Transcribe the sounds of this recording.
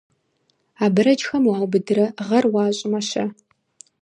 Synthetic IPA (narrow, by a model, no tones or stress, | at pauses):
aːbɨɾɐd͡ʒxɐmwaːwbɨdɨɾɐʁɐrwɑːɕʼɪmɐɕɐ̰